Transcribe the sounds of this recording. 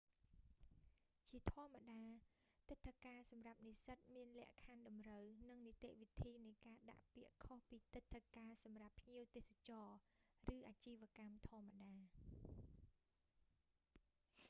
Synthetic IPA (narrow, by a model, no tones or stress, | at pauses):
t͡ɕiət̪ʰŏəmːaɗaː | t̪ɨt̪ʰːəkaːsɑmrap̚nisət̪̚miənlɛ̆əʔkʰanɗɑmrəwnɨŋnit̪eʔʋit̪ʰiːnɨjkaːɗa̰ʔpiəʔkʰohpiːt̪ɨt̪ʰːəkaːsɑmrapʰːɲiəwt̪eːsat͡ɕɑːrɨːʔaːt͡ɕiːʋ̆əkamt̪ʰŏəmːaɗaː